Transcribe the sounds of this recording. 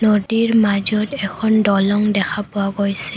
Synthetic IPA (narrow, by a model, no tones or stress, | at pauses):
nodiɹmad͡ʒɔtɛkʰɔndɔlɔŋdɛkʰapʊwaɡojsɛ